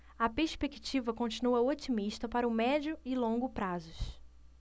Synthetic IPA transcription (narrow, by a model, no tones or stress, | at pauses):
ɐpeɾspeki̥t͡ʃivɐkõt͡ʃinuɐot͡ʃimiʃt̪ɐpaɾɐʊmɛd͡ʒʊɪlõŋɡʊpɾazʊʃ